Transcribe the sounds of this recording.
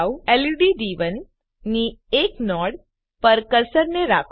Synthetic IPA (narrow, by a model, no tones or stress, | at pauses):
wɛliɖidiːʋənː | ieknɔɽ | pəɾkəɾsəɾneɾakʰ